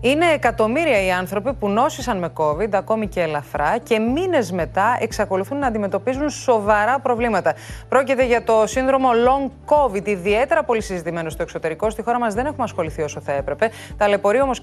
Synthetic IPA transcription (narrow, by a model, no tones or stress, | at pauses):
ine̞ːkɐt̪o̞miɾiɐiɐnθɾo̞pipuno̞sisɐnme̞ko̞vid̪ɐko̞mice̞ːlɐθɾɐce̞mine̞zme̞t̪ɐe̞ksɐko̞luθunːɐːnd̪ime̞t̪o̞pizunso̞vɐɾɐpɾo̞vlimɐt̪ɐpɾo̞cit̪e̞ʝɐt̪o̞sinðɾo̞mo̞lo̞ŋko̞vid̪iðie̞t̪e̞ɾɐpo̞lisizit̪ime̞nost̪o̞e̞kso̞t̪e̞ɾiko̞st̪ixo̞ɾɐmɐzðe̞ne̞xumɐsxo̞liθio̞so̞θɐe̞pɾe̞pe̞ | t̪ɐle̞po̞ɾio̞mo̞s